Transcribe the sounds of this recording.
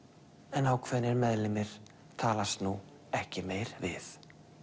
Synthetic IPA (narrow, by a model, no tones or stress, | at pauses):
ɛnawkʰvɛnːɪɾmɛðlɪmɪɾ̥ | t̪ʰaːlast̪nu | ɛhcɪmeːjɾvɪθ